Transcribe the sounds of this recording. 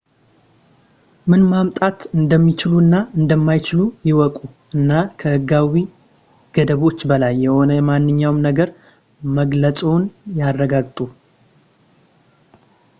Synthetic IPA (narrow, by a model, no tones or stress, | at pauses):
mɨnmamt̪ʼat̪ɨnd̪əmːit͡ʃɪluɨnːaɨnd̪əmːajt͡ʃɪlujɪwɔkʼuʔɨnːakʰəhɨɡawi | ɡ̥əd̪əβo̞t͡ʃːbəlajːɛho̞nəɛmanːɨɲːawmnəɡəɾ | məɡlət͡sʼo̞njarːəɡaɡt̪ʼu